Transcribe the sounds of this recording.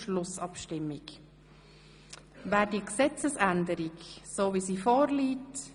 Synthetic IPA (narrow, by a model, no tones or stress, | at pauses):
ʃlʊsɑpʃtɪmːɪk | væːɾdiəksɛt͡səsændəɾiksoːviːsiːfoːɾliːt